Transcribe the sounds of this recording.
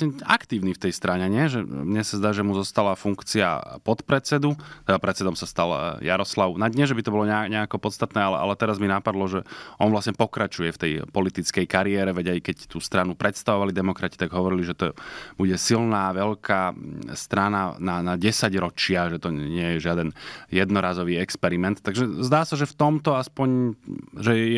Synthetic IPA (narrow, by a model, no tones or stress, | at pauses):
sɲɛa̰kt̪iːʊnift̪ɛjst̪ɾaɲɛɲɪɛʒɛmɲɛsazd̪aːʒɛmuzɔst̪alafuŋkt͡sia̰pɔt̪pɾɛt͡sɛd̪ut̪ɛd̪apɾɛt̪t͡sɛd̪ɔmsast̪aljaɾɔslaʊnaɲɛʒɛbit̪ɔbɔlɔɲɛɲɛakɔpɔt̪st̪at̪nɛːalɛ̰ʔa̰lɛt̪ɛɾazminapad̪lɔʒɛʔɔnʋlasɲɛpɔkɾat͡ʃujɛft̪ɛjpɔlit̪it͡skɛjkaɾiɛːɾɛʋɛɟajkɛct̪uːst̪ɾanupɾʔɛt̪st̪aʋɔʋalid̪ɛmɔkɾaci̥t̪aɡɦɔʋɔɾiliʒɛt̪ɔbuɟɛsilnaːʋɛʎkʰaːst̪ɾanananaɟɛsaɟɾɔt͡ʃɪaʒɛt̪ɔɲɪɛjɛʒɪad̪ɛnjɛd̪nɔɾaːzɔʋiːɛkspɛɾimɛnt̪tːaɡʒɛzd̪aːsaʒɛft̪ɔmt̪ɔaspɔɲʒɛ